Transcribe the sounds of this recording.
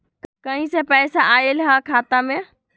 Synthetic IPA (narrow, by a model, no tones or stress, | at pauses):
kɐɦĩsepɛːsaʔaːelɦakʰaːt̪ãmẽ